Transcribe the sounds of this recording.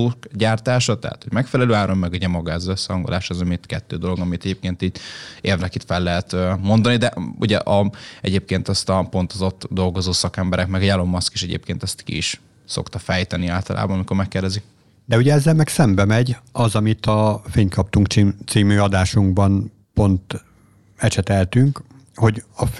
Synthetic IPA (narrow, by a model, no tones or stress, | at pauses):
ukɟaːrt̪aːʃɒt̪ɛɦa̰t̪ho̞ɟ̥mɛkfɛlɛløːaːɾo̞mːɛɡuɟɛmɒɡazɛsːɛhɒŋɡolʔaːʃɒzɒmit̪kɛt̪ːøːd̪o̞lo̞ɡɒmit̪ɛɟeːp̚keːnt̪iːɟeːrnɛkit̪fɛlːɛɦɛt̪ømo̞nd̪ɒnid̪ɛʔṵɟɛ̰ʔɒɛ̰ɟeːp̚keːnt̪ɛst̪ɒpo̞n̪t̪ozo̞t̪ːd̪o̞lɡo̞zoːsɒkɛmbɛɾɛkmɛɡɛɟalo̞mːɒski̥ʃɛɟḛːp̚keːnt̪ɛst̪kḭiʃ | so̞̰kt̪ɒfɛjt̪ɛniaːlt̪ɒlʔa̰ːbɒnɒmiko̞ɾmɛkːeːrd̪ɛzik | d̪ɛuɟɛɛzːɛlmɛksɛmbɛmɛɟɒzɒmit̪ɒfeːɲkʰɒp̚t̪uŋkt͡ʃit̪siːmyɒd̪aːʃuŋɡbɒn | po̞nt̪ | ɛt͡ʃɛt̪ɛlt̪yŋk | ho̞ɟɒ